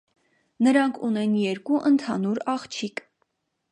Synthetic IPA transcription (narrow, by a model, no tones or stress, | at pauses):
nəɾɑŋkʰunɛnjɛɾkuʔənt̪ʰɑnuɾɑχt͡ʃʰik